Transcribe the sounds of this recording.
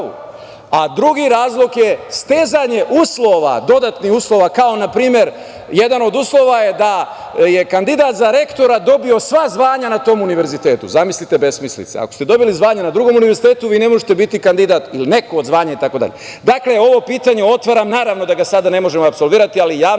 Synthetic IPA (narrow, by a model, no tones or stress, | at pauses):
ṵ | ad̪ɾuɡiɾaːzlˠo̞kje̞st̪eːzaɲe̞ʔuːslˠo̞ʋa̰d̪o̞d̪at̪nihuːslˠo̞ʋakao̞napɾiːmje̞ɾ | je̞d̪ano̞d̪uːslˠo̞ʋaje̞d̪a | je̞kand̪id̪at̪zaɾe̞kt̪o̞ɾad̪o̞bio̞sʋazʋaːɲanat̪o̞ːmuniʋe̞ɾzit̪e̞ːt̪ṵzamislit̪e̞be̞smislḭt̪sḛa̰ko̞st̪e̞d̪o̞bilizʋaːɲanad̪ɾuɡo̞muniʋe̞ɾzit̪e̞ːt̪uʋiːne̞mo̞ʒet̪e̞bit̪ikand̪id̪at̪iline̞ko̞ːd̪zʋaːɲait̪ako̞d̪a̰ʎe | d̪akle̞o̞ʋo̞piːt̪aɲe̞o̞t̪ʋaɾamnaːɾaʋno̞d̪aɡasad̪ane̞mo̞ʒe̞moapso̞lʋiːɾat̪ialijaː